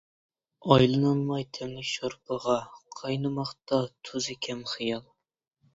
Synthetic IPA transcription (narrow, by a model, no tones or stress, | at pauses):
ɑjlˠɨnɑnmɑjt̪ʰɛmlɪkʲʃoɾpʰəʁɑqʰɑjnɨmɑχt̪ɑt̪ʰøzɪkʲʰɛmχɨjɑlˠ